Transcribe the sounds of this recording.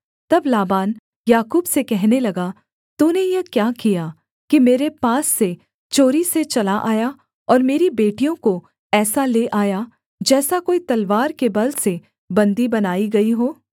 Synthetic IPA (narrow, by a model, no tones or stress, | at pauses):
t̪ɐblaːbaːn | jaːkuːbsekɛɦnelɐɡa | t̪uːnejɐkjaːkija | kimeːɾepaːsːe | t͡ʃoːɾiset͡ʃɐlaʔaːja | ɔːɾmeːɾibeːʈijõko | ɛːsaleʔaːja | d͡ʒɛːsakoːit̪ɐlʋaːɾkebɐlse | bɐ̃nd̪ibɐnaːiɡɐiɦoː